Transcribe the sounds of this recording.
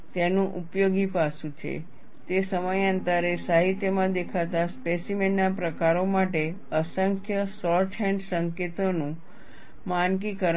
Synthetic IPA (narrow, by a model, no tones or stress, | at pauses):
t̪enũʔupjoɡipasũt͡ʃʰḛ | t̪esəməjə̃nt̪aɾesaɦit̪jəmãd̪ekʰat̪aspesimenːapɾəkaɾomaʈe | əsəŋkʰjəsɔɾʈʰɛ̃ɳɖsəŋket̪onũ | mankikəɾ